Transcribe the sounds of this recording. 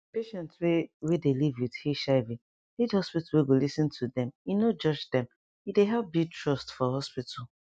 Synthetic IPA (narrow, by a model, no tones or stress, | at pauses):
peʃɛ̃ntswewedelivwið̥heʃaɪvĩ | lidhɔspitaweɡolisɨ̃ntʰudɛ̃minod͡ʒɔd͡ʒdɛ̃m | ideɦɛbitɹɔstfɔɦɔspitʰəl